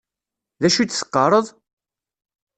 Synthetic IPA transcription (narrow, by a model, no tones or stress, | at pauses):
ðæʃut͡s̪ːsə̥qːɑɾˤəðˤ